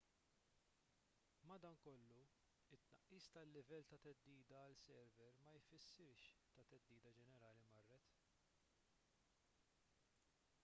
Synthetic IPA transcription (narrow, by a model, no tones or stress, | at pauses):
mɐd̪ɐːnkɔlːu | ɪt̪ːnɐʔːiːst̪ɐlːɪvɛlːt̪ɐt̪ɛd̪ːiːd̪ɐːlsɛɾvɛɾmɐjfɪsːɪɾʃt̪ɐt̪ɛd̪ːiːd̪ɐd͡ʒɛnɛɾɐːlimɐrːɛt̪